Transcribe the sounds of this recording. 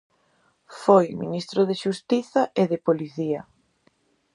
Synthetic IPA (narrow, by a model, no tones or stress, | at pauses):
fojminist̪ɾoðeʃust̪iθɐʔeðepoliθiɐ